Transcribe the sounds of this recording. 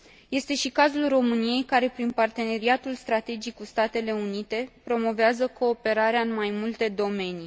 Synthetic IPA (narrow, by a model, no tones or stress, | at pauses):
je̞st̪e̞ʃikazulro̞mɨnije̞jkaɾe̞pɾinpart̪e̞ne̞ɾiat̪ulst̪ɾat̪e̞d͡ʒikkust̪at̪e̞le̞unit̪e̞pɾo̞mo̞veazəko̞ːpe̞ɾaɾeaɨnmajmult̪e̞d̪o̞me̞ni